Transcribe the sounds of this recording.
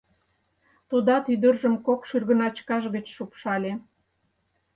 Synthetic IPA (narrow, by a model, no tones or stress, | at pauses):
t̪ud̪ɑt̪yd̪ərʒəmkokʃyrɣə̆nɑt͡ɕkɑʃɣət͡ɕʃupʃɑlʲe